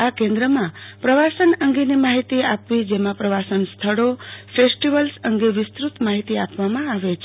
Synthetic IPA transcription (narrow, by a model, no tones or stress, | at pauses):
akẽnd̪ɾəmãpɾəʋasənəŋɡenimaɦit̪iapʋid͡ʒemãpɾəʋasənst̪ʰəɭofesʈiʋəlsəŋɡeʋɪst̪ɾut̪maɦit̪iapʋamãaʋet͡ʃʰe